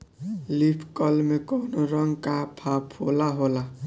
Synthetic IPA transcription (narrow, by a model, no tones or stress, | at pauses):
lipʰkʌlmekɔnoɾʌŋɡkapʰapʰolaɦola